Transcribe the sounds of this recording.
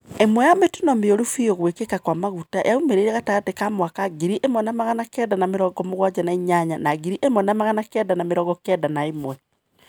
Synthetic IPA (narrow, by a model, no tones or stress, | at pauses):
emwɛjametunɔmeoɾufioɣwekekakwamaɣutajʔaumeɾeiɾɛɣatatekamwakaɡiɾiʔemɔnamaɣanakɛdanameɾɔːɡɔmoɣwad͡ʑanaiɲaɲanaɣiɾiʔemɔnamaɣanakɛdanameɾɔɣɡɔkɛdanaemwɛ